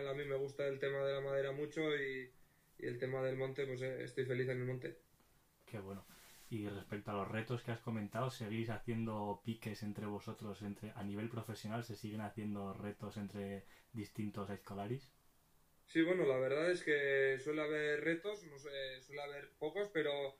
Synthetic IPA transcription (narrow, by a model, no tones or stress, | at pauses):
lamĩme̞ɣ̞ust̪aelt̪e̞maðe̞lamað̞e̞ɾamut͡ʃo̞iː | elt̪e̞maðelmõnt̪e̞pwe̞seḛst̪ojfe̞liθenelmont̪e̞ | ke̞βwe̞no̞ire̞spe̞k̚t̪oalo̞zre̞t̪o̞ske̞asko̞mẽ̞nt̪awose̞ɣ̞ijsaθje̞nd̪o̞pike̞se̞nt̪ɾe̞β̞o̞so̞t̪ɾo̞se̞nt̪ɾe̞ʔaniβ̞e̞lpɾo̞fe̞sjonalse̞siɣ̞e̞naθje̞nd̪o̞re̞t̪o̞se̞nt̪ɾe̞ðist̪int̪o̞saeskolaɾis | siβ̞we̞no̞laβ̞e̞ɾðaθe̞ske̞swe̞leaβe̞ɾre̞t̪o̞snoseswe̞laβ̞e̞ɾpo̞ko̞spe̞ɾo